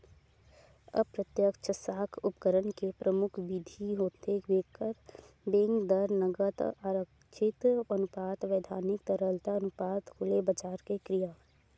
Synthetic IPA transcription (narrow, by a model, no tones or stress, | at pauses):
ə̰pɾət̪jəkt͡ʃəsaːkʰʊpkəɾənkepɾəmʊkʰʋid̪ʱiɦoːt̪eʋeːkəɾ | b̪ẽːŋɡd̪əɾnəɡət̪aɾək | t͡ʃʰɪt̪ənʊpaːt̪ʋeːd̪ʱaːnɪkt̪əɾəlt̪aənʊpaːt̪kʰʊlebəd͡ʒaːɾkekɾijaː